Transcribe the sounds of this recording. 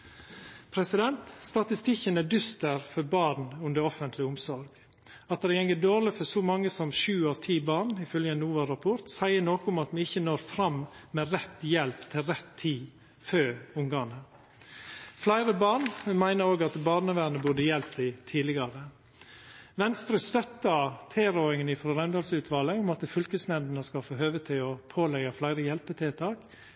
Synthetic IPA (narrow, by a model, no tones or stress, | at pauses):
pʰɾɛsɪd̪ɛnt̪st̪ɑt̪ɪst̪ɪçənæd̪ʏst̪əɾfɔɾbɑːɾn̩ʉnd̪əɾɔfənt̪ʰlɪʊmsɔɾɡ | ɑt̪̚d̪ɛɛŋəd̪oːɾlɪfɔsɔmɑŋːəsɔmʃʉːɑʋt̪ʰiːbɑːɳɪfœljəɛnuːʋɑɾɑpʰʊɾt̪sæɪəɳoːkəʊmɑt̪mɛɪçənoːɾfɾɑmmɛɾɛt̪ːjɛlpt̪ʰɪlɾɛt̪ʰːiː | føːɾʊŋɡɑːnə | flæɪɾəbɑːɳmæɪnəɾoːɡɑt̪bɑːɾɳəʋæːnəbʉːdəjɛlpt̪ɪt̪ʰiːlɪɡɑɾə | ʋɛnst̪ɾœst̪œt̪ːət̪ʰeːɾoːɪŋənɪfɾɔɾɛnd̪ɑlsəʉːt̪ʰʋɑːləʊmɑt̪fʏlkəsnɛnd̪nəskɑfoːɦøːʋət̪ʰɪɔpʰoːlɛɡɑflæɪɾəjɛlpət̪ʰɪt̪ʰɑːk